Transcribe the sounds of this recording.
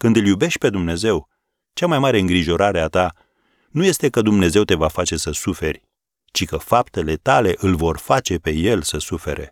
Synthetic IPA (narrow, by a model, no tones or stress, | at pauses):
kɨnd̪ɨljube̞ʃt̪̚ʲpe̞d̪umne̞ze̞w | t͡ʃamajmaɾe̞ɨŋɡɾiʒo̞ɾaɾe̞at̪a | nuje̞st̪e̞kəd̪umne̞ze̞wt̪e̞vafat͡ʃe̞səsufe̞rʲ | t͡ʃikəfapt̪e̞le̞t̪ale̞ʔɨlvo̞rfat͡ʃe̞pe̞je̞lsəsufe̞̰ɾʔe̞̰